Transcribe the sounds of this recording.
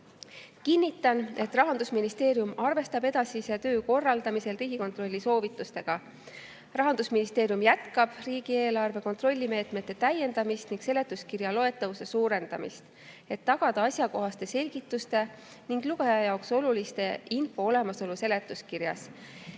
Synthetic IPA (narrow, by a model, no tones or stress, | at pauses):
kinʲːit̪ːˑɑne̞t̪ːrɑɦɑnd̪usminist̪e̞ːɾjumɑrve̞st̪ɑbe̞d̪̥ɑsiset̪ø̞ːko̞rːɑld̪ɑmise̞lriːɡiko̞nt̪ro̞lʲːiso̞ːvit̪ːˑust̪e̞ɡ̥ɑ | rɑɦɑnd̪usminist̪eːɾijumjæt̪kɑb̥riːɡ̥ie̞ːlɑrve̞ko̞nt̪ro̞lʲːime̞ːt̪ˑmet̪ːe̞t̪æje̞nd̪̥ɑmist̪niŋɡ̥se̞le̞t̪ːˑuskirjɑlo̞e̞t̪ːˑɑvuse̞suːɾe̞nd̪̥ɑmḭst̪ | e̞t̪ːɑɡ̥ɑd̪̥ɑɑsʲjɑko̞ɦɑst̪e̞se̞lʲɡ̥it̪ːˑust̪e̞ | niŋɡ̥luɡ̥ɑjɑjɑokso̞lulist̪e̞ʔinfo̞o̞lemɑso̞luse̞le̞t̪ːˑuskirjɑ̰s